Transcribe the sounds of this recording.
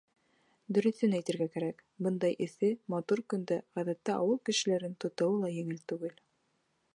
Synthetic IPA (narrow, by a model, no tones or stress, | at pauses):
d̪ɵ̆ɾɵ̆θɵnæjt̪ɘ̆ɾɡækæɾækbɤnd̪ɑjʔɘ̆θɘmɑt̪uɾkɵ̆nd̪æʁæðæt̪ːæʔɑwɤlˠkɘ̆ʃɘ̆læɾɘnt̪ŏt̪ɤ̆wɤlˠɑjɘ̆ŋɘlt̪ʉɡɘl